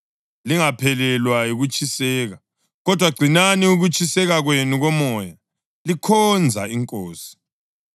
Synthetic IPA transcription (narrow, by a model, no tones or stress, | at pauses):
liŋapʰɛlɛlwajiɣut͡ʃʰʼisɛːɣa | ɣɔd̥ʱwaɡ͡ǀʱinaniuɣut͡ʃʼisɛɣaɣwenuɣɔmɔja | likʰɔnd͡zʱa̰iŋkʼoːsi̥